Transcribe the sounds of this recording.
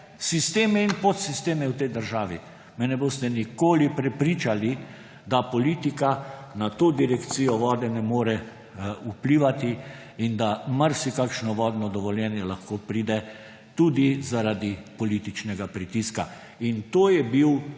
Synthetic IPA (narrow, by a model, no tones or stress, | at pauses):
sist̪eːmɛinpot̪sist̪eːmɛwt̪ɛjd̪əɾʒaːʋi | mɛnɛboːst̪ɛnikoːlipɾɛpɾiːt͡ʃali | d̪apɔliːt̪ikanat̪oːd̪iɾɛkt̪sijɔʋɔːd̪ɛnɛmoːɾɛ | upliːʋat̪i | ind̪amaɾsikakʃnɔʋɔːd̪nɔd̪ɔʋɔljɛːnjɛlaxkoːpɾiːd̪ɛ | t̪uːd̪izaɾad̪ipɔliːt̪it͡ʃnɛɡapɾit̪iska | int̪oːjɛbiw